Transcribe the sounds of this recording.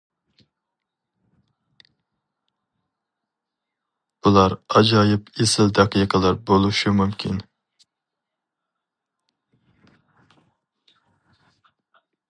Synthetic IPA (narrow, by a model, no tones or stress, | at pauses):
b̥ulˠɑɾɑd͡ʒɑjɪpʰesɪld̪ɛqijqʰəlˠɑɾbolˠuʃumumkʲʰin